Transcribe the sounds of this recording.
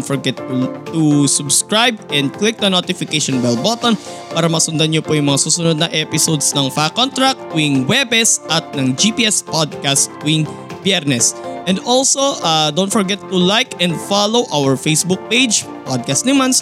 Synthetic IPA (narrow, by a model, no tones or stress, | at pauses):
nt̪fɔɹɡɛt̪ːut̪usʊbskɹajbɛ̃nd̪̚klɪk̚nɐnot̪ɪfɪkejʃɔnbɛlboːt̪on | paːɾɐmɐsʊnd̪ɐnɲopojʊŋmɐŋasuːsʊnod̪̚nɐŋʔɛpɪsowd̪snɐŋfakont̪ɾak̚t̪̚wɪŋwɛbɛsɐt̪̚nɐŋd͡ʒipiːʔɛspod̪̚kast̪̚wɪŋ | bjɛɾnɛsʔɛnd̪olsoʔad̪ownt̪fɔɹɡɛt̪ːulajkɛ̃nd̪falowʔawɛɹfejsbuk̚pejd͡ʒ | pod̪̚kɐst̪nɪmans